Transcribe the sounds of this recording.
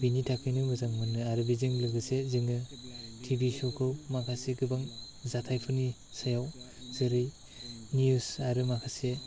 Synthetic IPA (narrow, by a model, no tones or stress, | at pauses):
binitʰakʰɯjnɯmɯzaŋmɯnɯaɾɯbizɯŋlɯɡɯsezɯŋɯtʰibisɔkʰɯwmakʰaseɡɯbaŋ | zatʰajpʰɯni | sajaw | z̥ɯɾɯj | niusaɾɯmakʰase